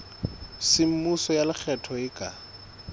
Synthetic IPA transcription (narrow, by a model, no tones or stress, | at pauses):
sɪm̩musɔjalɪk͡xʰɛtʰɔɪkʼa